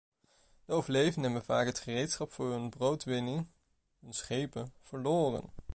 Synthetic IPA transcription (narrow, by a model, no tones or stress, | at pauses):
d̥əowvəɹlejvənənʋəva̰ːkɦətχərejtsχɑpfʊːɹɦɵnbrowtʋɪnɪŋ | ɦɵnsχejpəv̥əɹloːrə̰n